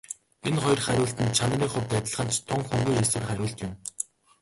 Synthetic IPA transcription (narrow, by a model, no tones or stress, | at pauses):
enχɔjrχæɾʲʊːɬt̪ɘ̆nt͡ɕʰan̆riːŋχʊwp̪æːt̪̆ʲɮə̆χə̆nt͡ɕt̪ʰːʊŋxɵŋɡujeswɘ̆rχæɾʲʊːɬt̪jʊm